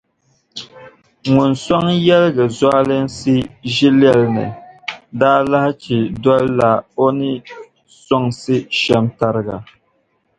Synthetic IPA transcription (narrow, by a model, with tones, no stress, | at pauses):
ŋʊ˨nsɔ˦ŋjɛ˦lɡɨ˨za˦lɨ˦n˦sɨ˦ʒi˦lɛ˦˨lnɨ̰˨daː˦la˦hɪ˦t͡ʃi˨dɔ˦lla˨o˦nɨ˦ | sɔ˦ŋsɨ˦ʃɛ˦mta˦ɾɨ˦ɡa̰˨